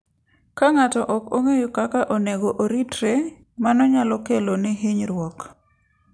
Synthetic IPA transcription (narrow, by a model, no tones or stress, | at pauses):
kaŋatɔʔɔkoŋejokakaʔoneɡoʔoɾitɾe | manɔɲalɔkelonɛɦɪɲɾwɔk